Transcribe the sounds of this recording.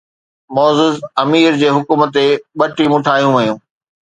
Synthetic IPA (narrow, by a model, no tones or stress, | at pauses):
mɔːzɪzɐmiːɾd͡ʑeːɦʊkuːmət̪eɓɐʈimʊ̃ʈʰaːjũʋɐjũː